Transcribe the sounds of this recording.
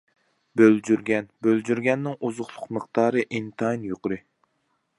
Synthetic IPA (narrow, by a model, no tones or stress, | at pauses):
bøld͡ʒyɾɡʲɛnbøld͡ʒyɾɡʲɛnːɪŋʔuzʊχlˠʊqməχt̪ɑːɾɨʔint̪ʰɑnjoqʊɾɨ